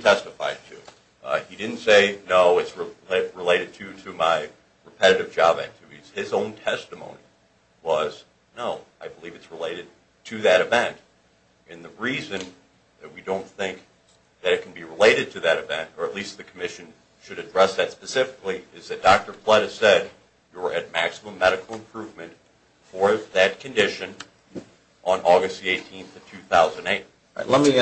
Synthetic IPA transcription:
tʰɛstɨfa̰ɪd̚tʰʉ̰ | idɪdⁿn̩tseɪnoʊɨtsɹɪlɹəleɪɾɨd̚tʰɨɾɨmaɪ | ɹɨpʰɛɾɨɾɨvd͡ʒɑbɨ̰̃ntʰʉiz̥ɪzõʊ̃ntʰɛstəmõ̰ʊ̃ni | wʌz̥ | noʊaɪbəlivɨtsɹəleɪɾɨd̚ | tʰɨðɨɾɨvɛ̃nt | ʔɨ̃nðɨɹizɨ̃n | ðɨt̚widõʊ̃nθɪ̃ŋk̚ | ðɨɾɨt̚kʰn̩biɹəleɪɾɨd̚tʰɨðɨɾɨvɛ̰̃ntə˞ətˡlist̪̚ðɨkʰəmɪʃɨ̃n | ʃɨɾɨdɹɛsðɨtspɨsɪfɨ̥kliɪzðɨt̚d̥ɑk̚tə˞flɛɾɨz̥sɛd | jə˞ʔɨt̚mæksəmə̃mːɛɾɨkl̩ˠə̃mpʰɹ̥ʉvmɨ̃nt | fə˞ðɨt̚kʰɨ̃ndɪʃɨ̃n | ʔə̃nʔɔɡɨst̚ðieɪtʰĩnθʌv̥tʰʉθaʊz̃ñeɪt̚ | lɛt̚mi

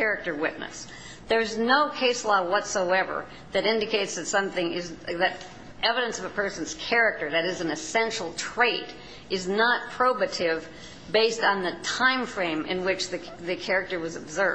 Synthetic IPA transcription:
kʰɛɹɨk̚tə˞wɪ̰ʔⁿnɨ̰s | ðə˞ɨznoʊkʰeɪslɔwʌtsoʊɛvə̰˞ | ðɨɾɪ̃ndɨkʰeɪtsðɨtsʌ̃mθɪ̃ŋɪzðɨɾ | ʔɛvɨɾɨ̃nsʌvəpʰɜ˞sn̩z̥kʰɛɹɨk̚tə˞ðɨɾɨzn̩ɨsɛ̃nʃl̩ˠtʰɹ̥eɪɾ | ʔɨznət̚pʰɹ̥oʊbɨɾɪv | beɪstn̩ðɨtʰãɪ̃ɱfɹẽɪ̃mʔɨ̰̃nwɪt͡ʃðɨ | ðɨkʰɛɹɨk̚tə˞wʌzɨbzɜ˞

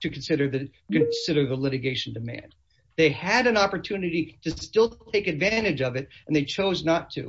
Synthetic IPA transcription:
tʰɨkʰn̩sɪɾə˞ðɨ | kɨ̃sɪɾə˞ðəlɪɾɨɡeɪʃn̩dɨmæ̰̃n | ðeɪɨɾɨ̃nɑpə˞tʰʉnɨɾiɾɨstɪlˠtʰeɪkɨdvæ̃ɾ̃ɨd͡ʒʌvɨɾɨ̃nðeɪt͡ʃʰoʊznətʰɨ̰

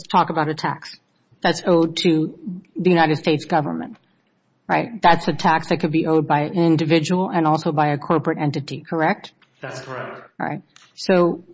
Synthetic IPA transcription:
stʰɔkəbaʊɾɨtʰæ̰ks | ðɨtsoʊd̚tʰɨðɨjʉñaɪɾɨd̥steɪtsɡ̥ʌvə̰˞mɨ̰̃nt | ɹa̰ɪt̚ðætsɨtʰæksðɨt̚kʰɨd̚biʔoʊd̚baɪɪ̃ndɨvɪd͡ʒɨwl̩ˠə̃nɔlˠsoʊbaɪɨkʰɔɹpɹɨɾɛ̃ntɨɾikʰə˞ɛk̚t | ðætskʰɛk̚tɹa̰ɪt̚ | soʊ

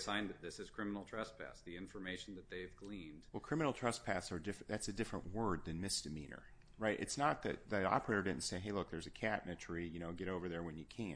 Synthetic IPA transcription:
sãɪ̃nðɨt̪̚ðɪsɨz̥kʰɹ̥ɪ̃mənl̩ˠtʰɹ̥ʌspʰæ̰sðiɪ̃ɱfə˞meɪʃn̩ðɨt̪̚ðeɪvɡlĩnd̥wɛlˠkʰɹ̥ɪ̃mɨ̃nl̩ˠtʰɹ̥ʌspʰæθsə˞dɪfðætsɨdɪfɹə̰̃nʔwɜ˞d̪̚ðɨ̃nmɪsd̥ɨmĩnə̰˞ | ɹaɪɾʔɨ̰tsnət̪̚ðɨ̰t̪̚ðɨɑ̰pə˞ɪɾə˞dɪdⁿn̩tseɪɦeɪlʊk̚ðə˞zɨkʰæʔⁿnɨtʰɹ̥ijɨñoʊɡɛɾoʊvə˞ðə˞wɨ̃njɨkʰæ̃

